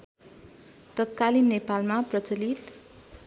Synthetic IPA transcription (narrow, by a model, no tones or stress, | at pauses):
t̪ʌt̪̚kalinːepalmaprʌt͡sʌlit̪